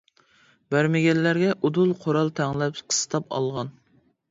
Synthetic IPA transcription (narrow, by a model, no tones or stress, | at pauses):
bæɾmɪɡʲɛlːæɾɡʲɛʔud̪ulˠqʰoɾɑlˠt̪ʰæŋlɛpqʰə̥st̪ʰɑpɑ̰lˠʁɑn